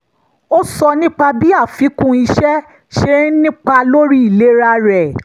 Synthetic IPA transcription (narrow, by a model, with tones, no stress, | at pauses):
o˦sɔ˧nĩ˦k͡pa˧bi˦a˦˨fi˨˦kũ˧i˧ʃɛ˦ | ʃe˦nĩ˦k͡pa˧lo˦ɾi˦i˦˨le˨˦ɾa˧ɾɛ˨